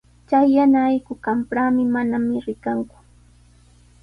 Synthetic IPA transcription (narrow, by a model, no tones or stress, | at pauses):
t͡ʃajːanaːjkʊkampɾaːmɪmanamɪɾɪkaŋkʊ̥